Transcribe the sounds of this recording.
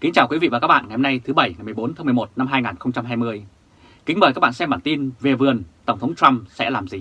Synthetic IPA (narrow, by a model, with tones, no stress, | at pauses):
kï˨˦ŋ̟t͡ɕaː˨˩wkwi˨˦vḭ˧˨vaː˨˩ka˦˥ɓa̰ː˧˨ŋa˨˩hə˧na˧jt̪ʰɨ˨˦ɓə˧˩jŋa˨˩jmɨ˨˩əjɓo˨˦nt̪aː˨˦mɨ˨˩əmo˨˩t̚na˧mɦaː˧jŋaː˨˩nxə˧wŋ͡mt͡ɕa˧mɦaː˧jmɨ˧əj | kï̟˨˦məː˨˩kaː˦˥k̚ɓ̰aː˧˨sɛ˧mɓaː˧˩nt̪i˧nve˨˩vɨ˨˩ənt̪ə˧˩wŋ͡mt̪ʰə˨˦ŋ͡mt͡ɕa˧msɛ̰˧˥laː˨˩mzi˨˩